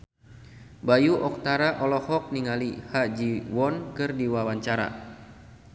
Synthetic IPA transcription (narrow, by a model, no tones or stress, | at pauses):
bajuʔɔk̚t̪aɾaʔɔlɔhɔk̚niŋalihad͡ʒiwɔnkɨrdiwawaɲt͡ʃaɾa̰